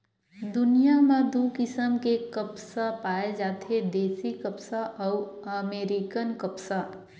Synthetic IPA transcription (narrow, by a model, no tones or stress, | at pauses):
d̪ʊnijamãd̪ukɪsəmkekəpsapaːed͡ʒaːt̪ʰed̪eːsikəpsaʔɔʊəmeːɾikənkəpsa